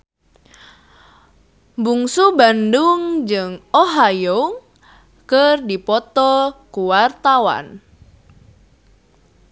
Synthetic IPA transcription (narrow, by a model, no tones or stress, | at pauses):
buŋsubanduŋd͡ʒɨŋoɦajo | kərdipɔt̪ɔkuwart̪awa̰n